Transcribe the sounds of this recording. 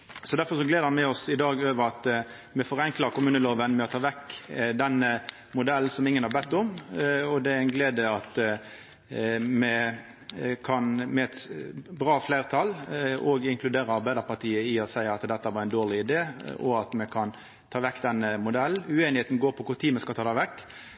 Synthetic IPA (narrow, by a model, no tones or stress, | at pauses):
sɔd̪æɾfɔɾʂɔɡleːd̪əɑnmɛɔsɪd̪ɑːɡøːʋəɾɑt̪ | mɛfɔɾɛŋkləɾkʊmʉːnəloːʋənmɛɔt̪ʰɑːʋɛkːd̪ɛnːə | mʊd̪ɛl̩ːsɔmɪŋːənhɑbɛt̪ːɔmɔd̪ɛæɾæɪnɡleːd̪əɑt̪ | mɛ | kʰɑnmɛɛt̪bʁɑːflæɪʁt̪ʰɑlɔɡɪŋkʰlʉd̪eːɾəɑɾbæɪd̪əʁpɑʁt̪ʰiːəɪɔsæɪɑt̪d̪ɛt̪ːəʋɑɾæɪnd̪oːʁɭɪɪd̪eːɔ̰ɑt̪mɛkʰɑn | t̪ʰɑːʋɛkːd̪ɛnːəmʊd̪ɛlʉeːnɪheːt̪n̩ɡoːɾpʰɔkʊɾt̪ʰiːmɛskɑlt̪ʰɑːd̪ɑːʋɛkː